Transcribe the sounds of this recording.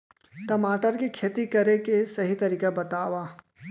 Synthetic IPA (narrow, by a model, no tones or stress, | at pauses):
ʈɐmaːʈəɾkikʰeːt̪ikɐɾekesɐɦit̪ɐɾiːkabɐt̪aːʋaː